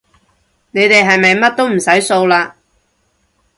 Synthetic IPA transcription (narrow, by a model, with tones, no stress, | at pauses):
ne˨˧jt̪e˨jɦɐ˨jmɐ˨jmɐ˥t̚t̪o˥wm̩˨˩sɐ˨˥jso˧wlaː˧